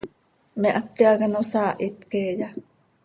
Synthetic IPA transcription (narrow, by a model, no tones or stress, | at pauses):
meʔak̪ːeaɡanosaːʔit̪keːja